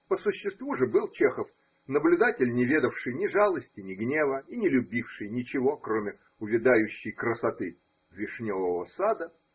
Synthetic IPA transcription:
pəsʊɕːɪst̪vuʐɨbɨlˠt͡ɕexəf | nəblʲʊd̪atʲɪlʲnʲɪvʲe̞d̪əfʂɨjnʲɪʐalˠəsʲtʲɪnʲɪɡnʲe̞vəinʲɪlʲʊbʲifʂɨjnʲɪt͡ɕɪvo̞kɾomʲɪ | ʊvʲɪd̪ajʉɕːɪjkɾəsɐt̪ɨ | vʲɪʂnʲovəvəsad̪ə

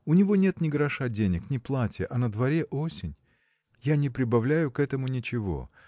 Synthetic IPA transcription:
ʊnʲɪvo̞nʲe̞t̪nʲɪɡəɾɐʂadʲenʲɪknʲɪplˠatʲjəʔɐnəd̪vɐɾʲe̞ʔo̞sʲɪnʲ | janʲɪpɾʲɪbɐvlʲæjʊkɛt̪əmʊnʲɪt͡ɕɪvo̞̰

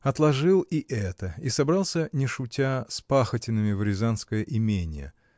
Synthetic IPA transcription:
ɐt̪lˠɐʐɨlˠiʔɛt̪əisɐbɾalˠsʲənʲɪʂʊtʲaspaxətʲɪnːɨmʲɪvɾʲɪzanskəjəʔɪmʲenʲɪjə̰

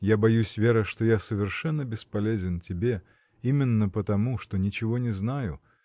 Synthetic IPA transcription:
jabɐjusʲvʲeɾəʂt̪ojasəvʲɪrʂɛnːəbʲɪspɐlʲezʲɪntʲɪbʲe | imʲɪnːəpət̪ɐmuʂt̪onʲɪt͡ɕɪvonʲɪznajʊ

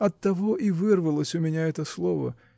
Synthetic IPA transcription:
ɐt̪ːɐvoʔivɨrvəlˠəsʲʊmʲɪnʲaɛt̪əslˠovə̰

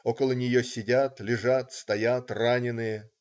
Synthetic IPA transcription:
o̞kəlˠənʲɪjosʲɪdʲat̪lʲɪʐat̪st̪ɐjat̪ranʲɪnɨjə

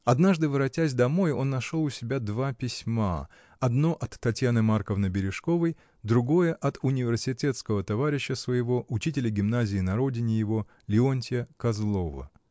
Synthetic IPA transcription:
ɐd̪naʐd̪ɨvɨɾɐtʲæsʲd̪ɐmo̞jo̞nːɐʂo̞lˠʊsʲɪbʲad̪vapʲɪsʲma̰ | ɐd̪no̞ʔɐt̪ːɐtʲjanɨmarkəvnəbʲɪɾʲɪʂko̞vəj | d̪ɾʊɡo̞jəʔɐt̪ʊnʲɪvʲɪrsʲɪtʲet̪skəvət̪ɐvaɾʲɪɕːəsvəjɪvo̞ʔʊt͡ɕitʲɪlʲəɡʲɪmnazʲɪːnɐɾo̞dʲɪnʲɪjɪvo̞ | lʲɪonʲtʲɪəkɐzlˠovə̰

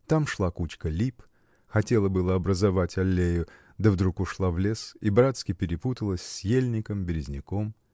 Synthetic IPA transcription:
t̪amʂlˠakut͡ɕkəlʲip | xɐtʲe̞lˠəbɨlˠəɐbɾəzɐvatʲɐlʲːejʊ | d̪əvd̪ɾukʊʂlˠavlʲe̞sibɾat̪skʲɪpʲɪɾʲɪput̪əlˠəsʲsʲjelʲnʲɪkəmbʲɪɾʲɪzʲnʲɪkom

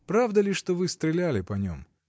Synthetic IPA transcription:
pɾavd̪əlʲɪʂt̪ovɨst̪ɾʲɪlʲælʲɪpɐnʲo̰m

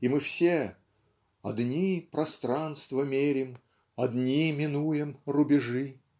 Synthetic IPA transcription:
imɨfsʲe | ɐ̰d̪nʲipɾɐst̪ɾanst̪vəmʲeɾʲɪm | ɐd̪nʲimʲɪnujɪmrʊbʲɪʐɨ

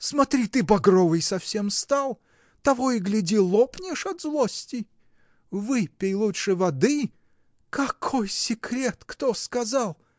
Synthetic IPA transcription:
smɐt̪ɾʲit̪ɨbɐɡɾovɨjsɐfsʲe̞mst̪alˠ | t̪ɐvojɪɡlʲɪdʲilˠopnʲɪʂɐd̪zlˠosʲtʲɪ | vɨpʲɪjlˠutʂɨvɐd̪ɨ | kɐkʰojsʲɪkɾʲet̪kt̪oskɐzalˠ

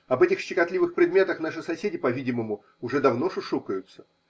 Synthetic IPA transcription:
ɐbɛtʲɪxɕɪkɐt̪lʲivɨxpɾʲɪd̪mʲe̞t̪əxnaʂɨsɐsʲedʲɪpɐvʲidʲɪməmʊ | ʊʐɛd̪ɐvno̞ʂʊʂukəjʊt̪sə̥

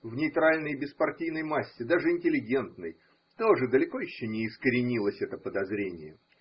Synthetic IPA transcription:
vnʲɪjt̪ɾalʲnəjbʲɪspɐrtʲijnəjmasʲːɪd̪aʐɨɪnʲtʲɪlʲɪɡʲe̞nt̪nɨj | t̪oʐɨd̪əlʲɪko̞jɪɕːonʲɪːskəɾʲɪnʲilˠəsʲɛt̪əpəd̪ɐzɾʲenʲɪjə

